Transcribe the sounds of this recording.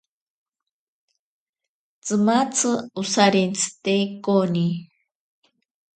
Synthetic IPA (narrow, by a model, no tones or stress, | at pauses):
t͡sɨmat͡sʰɨusaɾint͡sʰɨ̥t̪ejkʼoni